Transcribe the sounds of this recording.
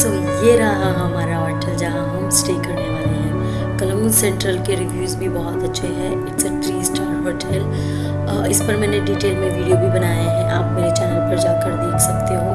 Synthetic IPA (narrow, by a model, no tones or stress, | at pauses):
so | jeɾɐɦaɦɐɦɐmaːɾaɦɔːʈɛld͡ʒɐɦaɦũmsʈeːkɐɾneʋaːleɦɛ̃ | kɐlulsɛ̃ːɳʈɾəlkeɾɪʋjuːzbʱibɔɦɔt̪ɐtːʃʰeɦɛː | ɪsət̪ɾiːsʈaːɾɦoːʈɛl | ɪspɐɾmɛːneɖiːʈeːlmẽʋiːɖijobʱibɐnaːjaɦɛ̃ʔaːpmeːɾet͡ʃɛːnəlpɐɾd͡ʒaːkɐɾd̪eːkʰsɐk̚t̪eɦõː